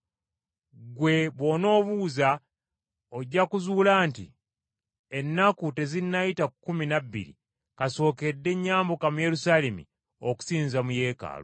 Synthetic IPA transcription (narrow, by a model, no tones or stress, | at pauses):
ɡwe̞βwo̞no̞ːβuːza | o̞ɟːakuzuːlaːntḭ | enːakute̞zinːajitakːuminabːḭɾḭ | kaso̞ːke̞dːe̞ɲːaːmbokamuje̞ɾusaːlemḭ | oku̥siːnzamuje̞ːka̰ːlo